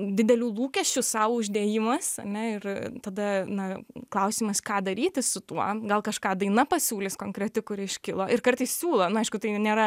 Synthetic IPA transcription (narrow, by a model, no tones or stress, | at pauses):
d̪ʲɪd̪ʲɛlʲuːlˠuːkʲɛʃʲt͡ʃʲʊsɑːʋoʊʒʲd̪ʲeːjɪmɐsɐ̰nʲɛɪrt̪ɐd̪ɐnɐklˠɐʊsʲiːmɐskɑːd̪ɐɾʲiːt̪ʲɪsʊt̪uɔɡɐlˠkɐʃkɑːd̪ɐɪnɐpɐsʲuːlʲɪskoːŋkɾʲɛt̪ʲɪkʊɾɪʃʲkʲɪlˠoːɪrkɐrt̪ɐɪssʲuːlˠoːnʊɐɪʃkʊt̪ɐɪnʲeːɾɐ